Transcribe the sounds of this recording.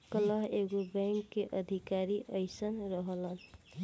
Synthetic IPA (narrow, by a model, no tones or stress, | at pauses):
kələɦeɡobeŋkːeʔəd̪ʱikaɾiʔəjsənɾəɦələn